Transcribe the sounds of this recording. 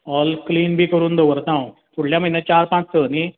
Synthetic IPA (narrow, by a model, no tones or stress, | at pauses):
ɔːlkliːnbʱikəɾund̪oʋəɾt̪aũt̪ʰuɽljãmɐɦinãt͡ʃaːɾpãːt͡ʃʰt̪əni